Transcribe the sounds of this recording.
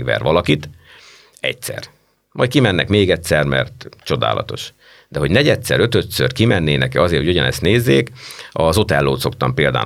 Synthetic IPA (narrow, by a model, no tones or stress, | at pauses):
ɡʋɛ̰rʋɒlɒkit̪ | ɛ̰csɛ̰r | mɒjt̪̚kimɛnːɛkmeːɡɛcsɛrmɛ̰rt̪t͡ʃo̞d̪a̰ːlʔɒ̰t̪o̞̰ʃ | d̪ɛɦo̞ɟnɛɟɛt̪sɛ̰ɾø̞t̪ø̞t̪sørkimɛnːeːnɛkɛɒzeːrhoɟojɒnɛst̪neːzːeːkɒzo̞t̪ɛlːoːt̪so̞kt̪ɒmpeːld̪a̰ː